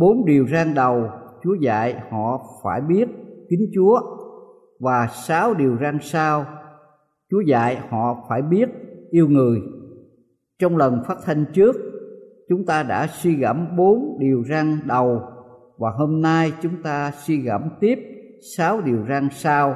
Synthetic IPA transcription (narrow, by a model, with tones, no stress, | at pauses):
ɓo˨˦nɗi˨˩əwzaː˧ŋɗə˨˩wt͡ɕu˨˦əza̰ː˧˨jhɔ̰˧˨faː˧˩jɓi˦˥ət̚kï˨˦ŋ̟t͡ɕu˨˦ə | vaː˨˩saː˨˦wɗi˨˩əwza˧ŋsaː˧w | t͡ɕu˨˦əza̰ː˧˨jhɔ̰˧˨faː˧˩jɓi˦˥ət̚ʔi˧əwŋɨ˨˩əj | t͡ɕɔ˧wŋ͡mlə˨˩nfaː˦˥t̚t̪ʰa˧jŋ̟t͡ɕɨ˦˥ək̚ | t͡ɕʊ˨˦ŋ͡mt̪aː˧ɗa̰ː˧˥swi˧ɣə̰˧˩mɓo˨˦nɗi˨˩əwzaː˧ŋɗə˨˩w | vaː˨˩ɦoː˧mnaː˧jt͡ɕʊ˨˦ŋ͡mt̪aː˧swi˧ɣə˧˩mt̪i˦˥əp̚ | saː˨˦wɗi˨˩əwzaː˧ŋsaː˧w